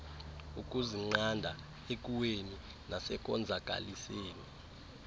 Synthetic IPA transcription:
uk̬ʼuziŋ͡ǀandʱa | ek̬ʼuweni | nʔasɛk̬ʼɔnd͡zʱakʼa̰liseːni

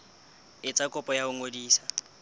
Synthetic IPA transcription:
ɪt͡sʼakʼʊpʼɔjaʊŋodiːsḁ

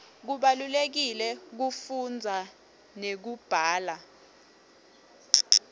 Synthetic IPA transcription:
k̬uɓalulek̬ilɛk̬ufund͡zʱa | nek̬ub̥ʱaːla

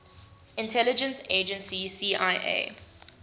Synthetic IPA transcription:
ɪ̃ntʰɛlɪd͡ʒə̃nseːd͡ʒə̃nsisiːʔaɪʔḛː

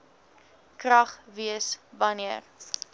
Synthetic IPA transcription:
krɐχviəsvɐniər

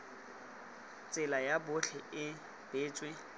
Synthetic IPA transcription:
t͡sʼɪlajabʊɬʰɛʔɪ | b̥eːt͡sʼwe

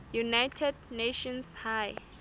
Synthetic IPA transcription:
junajtʰɛdneʃɔ̃nshaj

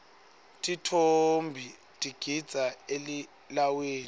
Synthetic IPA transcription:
tʼitʰombʱi | tʼiɡ̥ʱid̥z̥ʱaeli | laweːn

